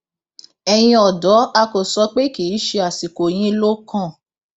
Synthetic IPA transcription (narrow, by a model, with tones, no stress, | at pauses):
ɛ˨j̃ĩ˧ɔ˨dɔ˨˦a˧ko˨sɔ˧k͡pe˦ki˨˦ʃe˧a˨si˨ko˨j̃ĩ˧˦lo˦kã˦˨